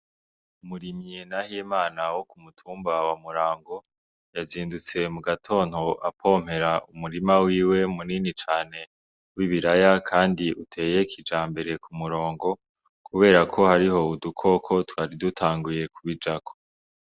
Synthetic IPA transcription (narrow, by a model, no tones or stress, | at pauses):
umuɾimɲenahijemaːnawo̞kumutʰuːmbawamuɾaːŋɡo̞ | jaziːndut͡se̞muɡatʰo̞ːn̥ho̞ʔapʰo̞ːm̥he̞ɾaʔumuɾimawiːwe̞muninit͡ʃaːne̞ | wiβiɾajakʰaːndiʔutʰe̞ːje̞kʰid͡ʒaːmbe̞ɾe̞kʰumuɾo̞ːŋɡo̞ | kʰuβe̞ːɾakʰo̞haɾiho̞udukʰokʰo̞twaːɾidutʰaːŋɡuje̞kʰuβid͡ʒakʰo̥